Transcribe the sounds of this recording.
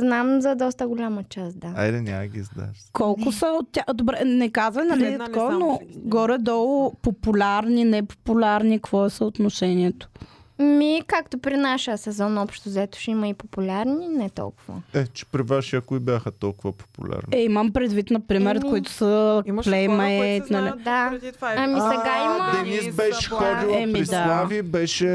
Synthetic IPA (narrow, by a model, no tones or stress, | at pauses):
znamzɐd̪ɔst̪əɡʊlʲamɐt͡ʃasd̪aaid̪ɛnʲaməɡʲizd̪a̰kʰɔlˠkʊsəot̪tʲːaxd̪obɾɛnɛkazvɐnɐlɛd̪ikɔnoɡɔɾɛd̪ɔɡʊpopʊlʲaɾninɛpo̥pʊlʲaɾnikv̥ɔɛsəot̪noʃɛniɛt̪o̥ | mikakt̪opɾinaʃəəsɛzɔnɔpʃt̪ʊzɛt̪ʊ̥ʃɛimɐipopʊlʲaɾninɛt̪ɔ̰lˠkʊvə̰ɛt͡ʃɛ̥pɾivaʃiakʊibʲjaxət̪ɔlˠkʊvɐpo̥pṵlʲa̰ɾniɛiməmpɾɛd̪vit̪nɐpɾimɛɾət̪koit̪ʊ̥səplɛjmɛɛt̪nɐlid̪aɐmisɛɡaiməd̪ɛnisbɛʃɛ̥xɔd̪iɛmiɾid̪alˠavibɛʃɛ